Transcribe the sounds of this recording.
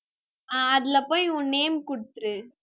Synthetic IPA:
aɐðɪlɐpoːjʊnːeːmkʊɽɯt̪ːɯɾɯ

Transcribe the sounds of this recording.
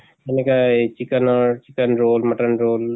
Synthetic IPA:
ɐnekat͡ʃikɐnt͡ʃikənɾoːlmɐʈənɾoːl

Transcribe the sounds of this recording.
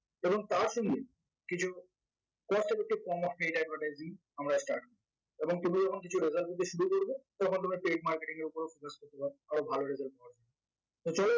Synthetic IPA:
eboŋt̪aɾʃɔŋɡe | kit͡ɕʰu | kɔsʈeɾek̚ʈikɔmɔpʈejʈaɖvʱaʈajziŋ | amɾasʈaɾʈkoɾ | eboŋt̪umid͡ʑɔkʰonkit͡ɕʰuɾezalbut̪eʃuɾukoɾbet̪ɔkʰont̪umipeʈ̚maɾkeʈiŋeɾopoɾefokaskoɾt̪epaɾeaɾobʱaloɾezalɔad͡ʑa | t̪ot͡ɕɔle

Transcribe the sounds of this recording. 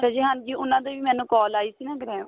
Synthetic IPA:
ɛd͡ʒiːɦand͡ʒiːʊnãːd̪eːʋiːmɛ̃ːnũːkɔːlaːiːsiːnɛ̃ːɡəɾɛ̃ː

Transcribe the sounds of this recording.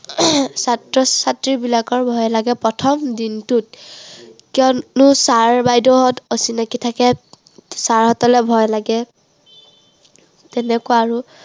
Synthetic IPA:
satɹɔsatɹibilakɔɹbʱɔjlaɡɛpɹɔtʰɔmdintut̚ | kiɔnusaɹbajdɔɦɔtosinakitʰakɛ | saɹhɔtɔlɛbʱɔjlaɡɛ | tɛnɛkʊwaːɹu

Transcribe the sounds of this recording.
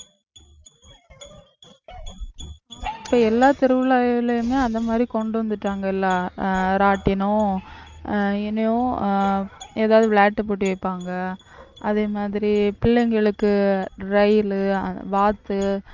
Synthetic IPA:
ɪpːoːɛlːaːt̪ɪɾɯʋɪlaːɪlɐjɯmeːɐnd̪ɐmaːd̪ɾikɔɳɖɯʋɐnd̪ɯʈːaːŋɡɐɪlːaːɾaːʈːɪnʊ̃ | ɪnːɐjõ | eːðaːʋðɯbɭaːʈːɯpoːʈːiʋɐɪpːaːŋɡɐ | ɐðeːmaːðɪɾipɪlːɛŋɡɐɭɯkːɯɾɐjlɯ̰ʋaːt̪ːɯ

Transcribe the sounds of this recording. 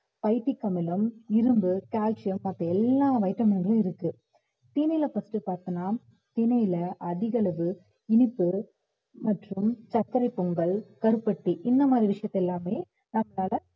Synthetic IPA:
pɐɪʈːikːɐmɪlɐmɪɾɯmbɯkaːlt͡ʃɪjɐmːɐt̪ːɾɐɛlːaːʋɐɪʈːɐmɐnɡɐɭɐɪɾɯkːɯ | t̪iːnɐjɪlɐfɐsʈɯpaːɾt̪ɯnaː | t̪inɐɪlɐʔɐðɪɣɐɭɐʋɯ | ɪnɪpːɯ | mɐʈrɯmt͡ʃɐkːɐɾɐɪpːɔŋɡɐɭkɐɾɯpːɐʈːiʔɪnd̪ɐmaːd̪ɾiʋɪʂɐjɐt̪ːɛlːaːmeː | nɐmːɐlaːlɐ

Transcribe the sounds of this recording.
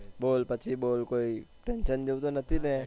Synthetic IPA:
boːlpɐt͡ʃʰiboːlkoːiʈɛ̃ːnʃənd͡ʒot̪onɐt̪ʰile

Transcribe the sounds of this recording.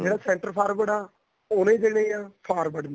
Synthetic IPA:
d͡ʒeːɽaːsɛ̃ːɳʈəɾpʰaːɾbəɽaː | oːnẽːd͡ʒeːneiaːpʰaːɾbəɖnã

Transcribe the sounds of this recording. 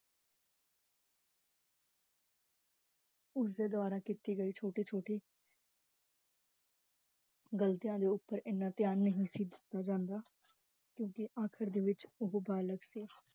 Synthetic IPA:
ʊs̬d̪eːd̪əʋaːɾaːkiːt̪iːɡəiːt͡ʃʰoːʈiːt͡ʃʰoːʈiː | ɡəlt̪ijãːd̪eːʊpːəɾɪnːaːt̪ɪjaːnːəɦisiːd̪ɪ̥t̪ːaːd͡ʒãːnd̪aː | kjõːkɪʔãːkʰəɾd̪eːʋɪt͡ʃʊɦobaːləɡsiː

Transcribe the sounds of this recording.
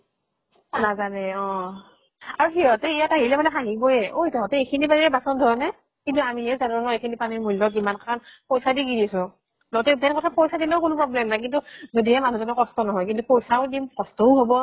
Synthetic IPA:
nazanɛɔ̃ | aɹuxiɦɔtɛijataɦilɛbanɛxaɦiɡojɛʔoitɔɦɔtɛekʰinibaniɹɛbasɔndʱuɔnɛ | kintuamiɛzanʊnɔekʰinipanimulɔkimankakʰanpojsadiɡinisʊ̃ | lɔɡɔtɛtɛnkɔtʰapojsadilɛʊkʊnʊpɹɔblɛmnajkintuzodiɛmanuzɔnɔkɔstɔnɔɦɔjkintupojsaʊdimkɔstɔʊɦobɔ

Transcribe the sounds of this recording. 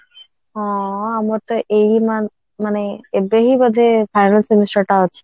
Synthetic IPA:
ɔ̃amɔɾt̪ɔʔejman | maneebeɦibɔd̪ʱepʰajnalsimisɔʈaɔt͡ɕʰi̥

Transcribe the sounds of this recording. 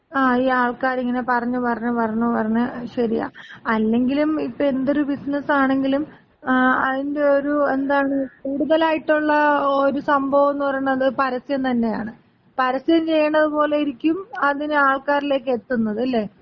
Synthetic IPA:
aːiːaːɭkaːɾiŋːɐne̞pɐrɐɲːupɐrɲːupɐrɐɲːupɐrɐɲːɨɕɐɾija̰ɐlːe̞ŋɡilumipːoe̞nd̪o̞ɾubisnɐsaːɳe̞ŋɡilum | ɐðinde̞o̞ɾue̞nd̪aːɳɨkuːɽuðɐlaːjiʈːuɭːɐoɾusɐmbʱɐʋɐnːupɐrɐjuɳːɐðɨpɐɾɐsɐjɐmt̪ɐnːe̞ja̰ːɳɨ | pɐɾɐsɐjɐmt͡ɕejːɐɳːɐðupo̞ːle̞iɾikʲːumɐðinɨaːɭkaːɾile̞ːkːe̞t̪ːunːɐðɨɐlːe̞ː

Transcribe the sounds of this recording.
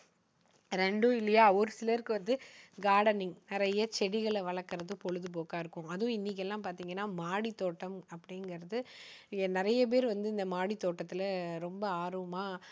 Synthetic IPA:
ɾɛɳɖoɪlːɐjaːɔɾɯsɪlɐɾkɯʋɐnd̪ɯɡaːɽɐnɪŋnɪɾɐjɐt͡ʃɛɽɪɣɐɭʋɐɭɐkːɐɾɐðɯ̃pɔɻɯðɯp̬oːkaːɪɾɯkːʊ̃ɐðʊ̃ɪnːik̬ːɛlːãːpaːɾt̪iːŋɡɐnːaːmaːɽit̪ːoːʈːɐmɐpːɐɽɪŋɡɐɾɐðɯnɪɾɐjɐp̬eːɾʋɐnd̪ɯɪnd̪ɐmaːɽit̪ːoːʈːɐt̪ːɪlɐɾɔmbɐaːɾoːmaː

